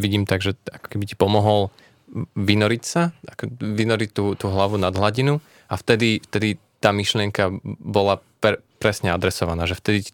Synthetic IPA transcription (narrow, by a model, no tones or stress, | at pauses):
ʋiɟiːmt̪aɡʒɛakɔ̥kɛbici̥pɔmɔɦɔl | ʋinɔɾicsaakɔʋinɔɾict̪uːt̪uːɦlaʋunad̪ɦlaɟinu | aft̪ɛd̪ift̪ɛd̪it̪aːmiʃlɪɛŋkabɔlappɾɛsɲɛad̪ɾɛsɔʋanaːʒɛft̪ɛd̪i